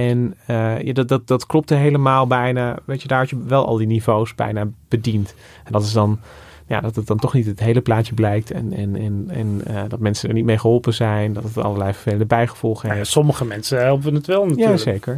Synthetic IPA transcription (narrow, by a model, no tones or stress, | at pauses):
ɛnəja̰ddɑt̚dɑtklɔp̚təɦejləmaːlˠbɛjnaːʋejcədaːɹɦɔtjəʋɛlˠʔɑ̰lˠdinivowsbɛ̰jnaːb̥ədint | ɛndɑtɪs̬dɑn | ja̰ːdɑtət̚dɑntɔχnitətɦejləplaːtjəblɛjk̚tɛ̰nɛ̰nɛnɛ̰ndɑtmɛnsəndəɹnit̚mejχəɦɔlˠpənzɛjndɑtətəɑ̰lˠəɹlɛjvəɹfejləndəbɛjχəv̥ɔlˠχəɦefsɔməχəmɛnsəɦɛlˠpənətʋɛlˠnatjaləsejkəɹ